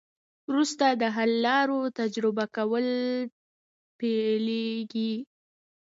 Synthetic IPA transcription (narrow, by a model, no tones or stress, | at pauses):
wɾust̪ad̪əɦalːɑɾot̪ad͡ʒɾɪbakawəl | peleɡi